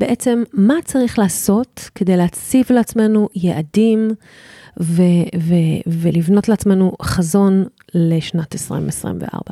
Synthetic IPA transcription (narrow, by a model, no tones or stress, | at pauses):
b̥eʔet͡se̞mːat͡saʁiχlaːso̞tked̪e̞jleat͡sivleat͡sme̞nujeʔadim | vevevelivno̞tleat͡sme̞nuχazo̞n | leʃnatesʁḭmesʁḭmveʔa̰ʁba